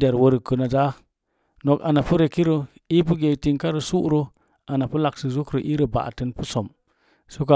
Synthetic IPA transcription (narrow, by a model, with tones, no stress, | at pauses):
de˨ɾwo˦ɾə˨kə˨na˨da˦ | no˨ka̰˨na˨pu˦ɾe˨ki˦ɾo˨ | i˦pu˦ɡe˨ti˦nka˦ɾə˨su˦ʔɾo˦ | a˨na˨pu˦la˨ksi˨zu˦kɾo˨ʔi˦ɾə˨ba̰˨tɨ˦npu˦so˨m | so˦ka˨